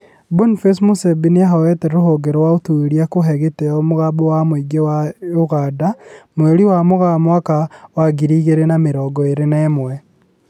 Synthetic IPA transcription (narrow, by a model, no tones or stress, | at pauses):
bunfesmusebiniahawɛteɾoɦoɡeɾowaotueɾiakoɦɛɣeteomoɣabowamwiɡewaoɣaːdamweɾiwamoɣamwakawaɡiɾiːɣeɾenameɾɔːɡɔeɾenemwɛ